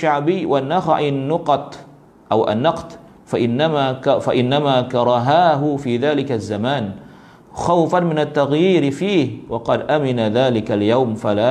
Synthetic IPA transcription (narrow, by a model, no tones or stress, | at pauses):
ʃaʕbɪjːwʔanːaxa̰ʕʔɪnːʊqɑt̪ | ʔawʔa̰nːɑqt̪ | faʔɪnːamafaʔɪnːamaːkɑɾˤɑɦaːɦʊfiːðaːlɪkazːamaːn | xawfanmɪnat̪ːaɣjiːɾfiːhwɑqɑd̪ʔamɪnaðaːlɪkaljawmfalaː